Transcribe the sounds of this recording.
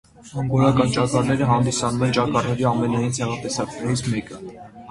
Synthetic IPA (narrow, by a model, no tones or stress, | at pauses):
ɡɔɾɑkɑnt͡ʃɑkɑɾnɛɾəɦɑnd̪isɑnumɛnt͡ʃɑkɑɾnɛɾiɑmɛnɑjint͡sʰɛʁɑt̪ɛsɑknɛɾit͡sʰmɛkə